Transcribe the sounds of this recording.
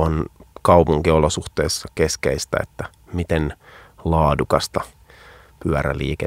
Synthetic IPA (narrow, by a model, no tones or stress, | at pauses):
onkɑwpuŋkiolːosuxt̪eːsːɑkeskeist̪æ̰et̪ːæ | mit̪enlɑːdukɑst̪ɑ | pyæɾæ̰lḭːke